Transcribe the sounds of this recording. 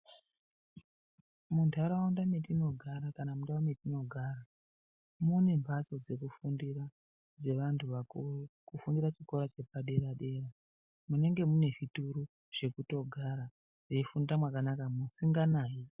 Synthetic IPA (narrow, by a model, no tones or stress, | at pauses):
muntʰaɾaundametino̞ɡʱaɾakanamundawame̞tino̞ɡʱaːɾa | mune̞mbʱat͡so̞d͡ze̞kufundira | d͡ze̞ʋantʰuʋakufundirat͡ʃiko̞ɾat͡ʃe̞paɗe̞ɾaɗe̞ːra | mune̞ŋɡe̞mune̞ʐituɾu | ʐ̥e̞kuto̞ɡʱaɾa | reifundamwakanakamusiŋɡanaːji